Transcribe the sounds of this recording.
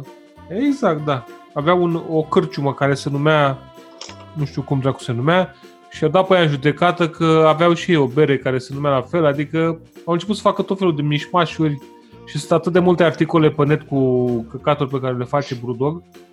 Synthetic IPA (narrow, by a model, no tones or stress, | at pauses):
eɡzak̚t̪̚d̪aː | veaunokɨrt͡ʃuməkaɾe̞se̞numea | nuʃt̪iukumd̪ɾakuse̞numea | ʃiad̪apəjaɨnʒud̪e̞kat̪əkʰəaveawʃio̞beɾe̞kaɾe̞se̞numealafe̞lad̪ikə | awɨnt͡ʃe̞put̪sə̥fakət̪ot̪felud̪e̞miʃmaʃurʲ | ʃi̥sɨnt̪at̪ɨt̪̚d̪e̞mult̪e̞art̪iko̞le̞pənet̪kukəkat̪urʲpe̞kaɾe̞le̞fat͡ʃe̞bɾud̪o̞ɡ